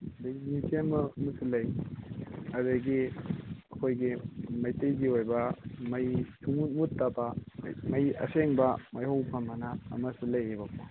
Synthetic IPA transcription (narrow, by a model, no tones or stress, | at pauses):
dɐɡinitemɐmɐsilɐj | ɐdɐɡi | ɐkʰojɡimɐjtɐjɡiojbɐmɐjtʰumut̚mutːabɐ̰mɐjɐ̰seŋbɐmɐjhowpʰɐmɐnɐɐ̰mɐsilɐjebɐko